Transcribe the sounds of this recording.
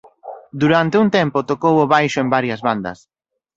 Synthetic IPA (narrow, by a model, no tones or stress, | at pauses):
d̪uɾant̪eunt̪ɛmpot̪okowoβajʃʊembaɾjɐzβand̪ɐ̰s